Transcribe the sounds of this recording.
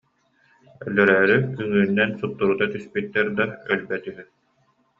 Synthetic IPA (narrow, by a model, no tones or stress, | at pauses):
œlːœɾœːɾyyŋynːɛnsut̪ːuɾut̪at̪yspyt̪ːɛɾd̪aœlbɛt̪yɦy